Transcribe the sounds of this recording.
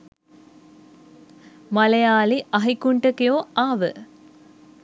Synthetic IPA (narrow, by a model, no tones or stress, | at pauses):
malejaːliʔɐɦikuɳʈəkijoːaːʋə̰